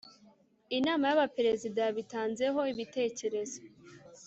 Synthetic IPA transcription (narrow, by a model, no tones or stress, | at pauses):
inaːmajaβapeɾe̞zidaβitaːnze̞ɦo̞iβite̞ːce̞ɾe̞zo̞